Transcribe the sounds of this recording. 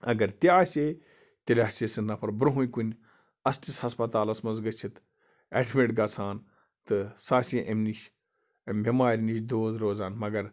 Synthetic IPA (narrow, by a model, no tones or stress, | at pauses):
ɐ̰ɡɐɾt̪iaːsʲeː | t̪elʲɦsesɨnːɐpʰɐɾbɾɦũikunʲ | ɐstishɐspɐt̪aːlɐsmɐnzɡɐt͡ʃʰit̪ | eːʈʰmʲeʈɡaːsʰaːn | t̪ɨsaːsʲĩʔɐmniʃ | ɐmbʱʲimaːɾʲiniʃd̪oːzɾoːzaːnmɐɡɐɾ